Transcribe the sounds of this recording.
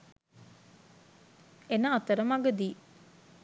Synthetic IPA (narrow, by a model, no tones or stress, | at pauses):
enəːt̪əɾəmaɡəd̪iː